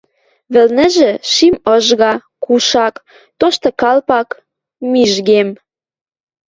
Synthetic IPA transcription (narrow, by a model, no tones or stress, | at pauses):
βɘ̆lnɘ̆ʒĕʃimɤʒɣɑkuʃɑk | t̪oʃt̪ɤ̆kɑlpɑk | miʒɣem